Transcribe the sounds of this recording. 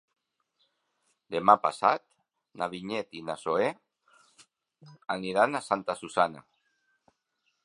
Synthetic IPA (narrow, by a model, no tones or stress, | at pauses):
d̪emapa̰sa̰t̪ | naβiɲet̪inasoe | aniɾanasant̪asusana̰